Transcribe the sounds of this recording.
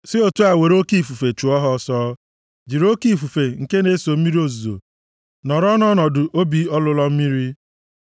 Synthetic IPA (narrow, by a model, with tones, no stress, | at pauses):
sɪ˦o˨tu˦a˨we˨ɾo˦ki˦˨fu˨fe˨t͡ʃu˨ɔ˦ɦɔ˦sɔː˦ | d͡ʒi˨ɾo˦ki˦˨fu˨fe˨ŋ̩˨ke˦ne˦so˨m̩˦i˦ɾi˦o˨zu˨zo̰˨ | nɔ˨ɾɔ˦nɔ˦nɔ˨dʊ˨ʔo˦bi˦ɔ˦lʊ˦lɔ˦m̩˦mi˦ɾi˦